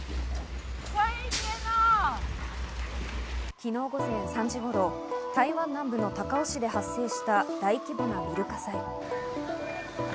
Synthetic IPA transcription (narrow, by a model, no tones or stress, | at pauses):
saena | kʲino̞ːɡo̞zẽ̞ɰ̃sãɲ̟d͡ʑiɡo̞ɾo̞ | t̪aiβãnːãmbɯ̟no̞t̪akao̞ɕid̪e̞ɦasːe̞ːɕi̥t̪ad̪aikʲibɯnamʲiɾɯ̟kasai